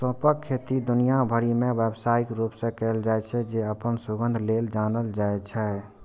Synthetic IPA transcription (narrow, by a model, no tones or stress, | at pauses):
sɔ̃pəkʰːet̪id̪ʊnijabʱəɽimẽʋebsaːikɾupsẽkɛːld͡ʒaːɛt͡ʃʰɛd͡ʒeəpənsuɡə̃nd̪ʱleld͡ʒaːnəld͡ʒaːɛt͡ʃʰɛ